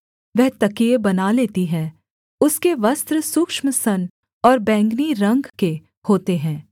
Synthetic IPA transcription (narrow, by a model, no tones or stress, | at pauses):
ʋɛɦt̪ɐkiebɐnaleːt̪iɦɛ̃ː | ʊskeʋɐst̪ɾəsʊkʃməsɐn | ɔːɾbɛ̃ːŋɡniɾɐ̃ŋɡke | hoːt̪eɦɛ̃ː